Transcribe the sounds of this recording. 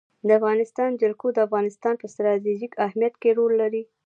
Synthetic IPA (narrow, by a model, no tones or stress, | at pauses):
d̪əafɣɑnɪst̪ɑnd͡ʒalkod̪əafɣɑnɪst̪ɑnpəst̪ɾɑt̪̬eʒikahmijat̪keɾolːaɾi